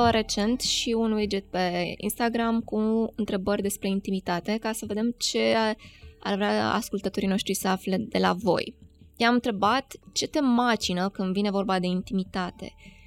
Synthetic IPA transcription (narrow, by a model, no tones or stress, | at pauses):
ɾe̞t͡ʃe̞nt̪ʃiunwed͡ʒet̪̚pe̞ḭnst̪aɡɾamkuɨnt̪ɾe̞bəɾʲd̪e̞spɾe̞int̪imit̪at̪e̞kasəve̞d̪e̞mt͡ʃe̞ | a̰rvɾeaa̰skult̪ət̪o̞ɾino̞ʃt̪ɾisəafled̪e̞la̰vo̞̰jjamɨnt̪ɾe̞bat̪t͡ʃe̞t̪e̞mat͡ʃinəkɨnd̪vine̞vo̞rbad̪e̞int̪imit̪at̪e̞̰